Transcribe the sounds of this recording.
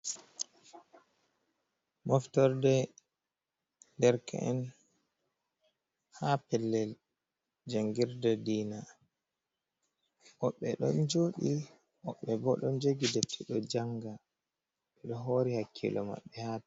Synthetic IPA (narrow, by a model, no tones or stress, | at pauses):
mɔftɔɾdɛ | dɛɾkʰɛ̰ɛn | hapɛlːɛl | d͡ʒaŋɡiɾdɛdiːna | ʔɔɓːɛɗɔnd͡ʒoɗi | ʔɔɓːɛbɔɗɔnd͡ʒoɡidep̚tʰiɗɔd͡ʒaŋɡa | ɓɛɗɔɦoːɾihakʰːḭlʔɔma̰ɓːɛhaː